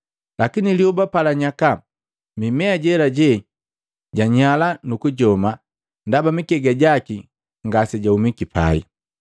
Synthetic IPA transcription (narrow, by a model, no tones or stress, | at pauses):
lakiniliubapalaɲaka | mimɛaɟɛlaɟɛ | ɟaɲalanukuɟɔma | ndabamikɛɡaɟaki | ŋɡasɛɟaumikipa̰ḭ